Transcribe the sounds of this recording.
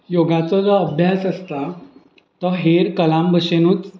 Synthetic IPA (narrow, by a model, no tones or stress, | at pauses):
joɡat͡sɔd͡zɔəbʱjasəst̪a | t̪ɔɦeɾkəlambʱəɕenuːt͡s